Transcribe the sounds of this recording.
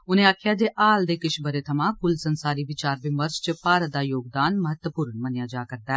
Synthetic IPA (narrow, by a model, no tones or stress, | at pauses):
ʊnẽaːkʰjaːd̪eːʔaːld̪eːkɪʃbʱəɾet̪ʰɐmãːkʊlsənsaːɾiʋɪt͡ʃaːɾʋɪməɾd͡ʒt͡ʃpaːɾət̪̚d̪aːjoːɡ̚d̪aːnməɦət̪wəpuːɾənmɐnɪjaːd͡ʒaːkɐɾd̪aɛ